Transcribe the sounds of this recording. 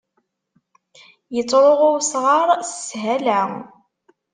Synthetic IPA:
jət͡sˤːɾˤoʁʊsʁɑɾˤsəːɦæla

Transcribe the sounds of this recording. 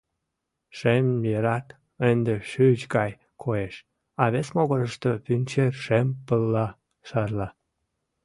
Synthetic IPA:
ʃemjeɾɑt̪ | end̪eʃyt͡ɕɡɑj | kʰojeʃ | ɑβesmoɣəɾəʃt̪opynʲt͡ɕeʃempəlːɑ | ʃɑrlɑ

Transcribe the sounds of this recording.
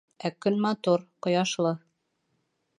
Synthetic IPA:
ækɵnmɑt̪uɾqŏjɑʃlˠɤ

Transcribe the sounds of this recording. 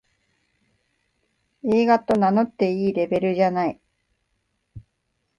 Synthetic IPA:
e̞ːɡat̪o̞nano̞t̪ːe̞iːɾe̞be̞ɾɯ̟ʑanai

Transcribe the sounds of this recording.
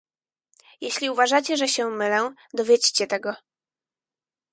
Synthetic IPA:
jeɕlʲiuvaʐat͡ɕɛʐɛɕɛmɘlɛd̪ɔvʲjet͡ɕt͡ɕɛt̪ɛɡɔ

